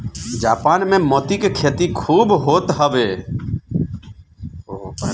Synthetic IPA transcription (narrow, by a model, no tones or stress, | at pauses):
d͡ʒaːpaːnmẽmɔːt̪ikekʰeːt̪ikʰuːbɦoːt̪ɦəʋeː